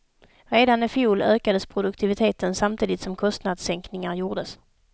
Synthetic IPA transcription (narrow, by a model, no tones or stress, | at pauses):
ɾeːd̪anɪfjuːløːkad̪əspʰɾʊd̪ɵk̚t̪ʰɪvɪt̪ʰeːt̪ənsamt̪ʰiːd̪ɪt̪sɔmkʰɔst̪nad̪sɛŋknɪŋaɾjuːʁd̪əs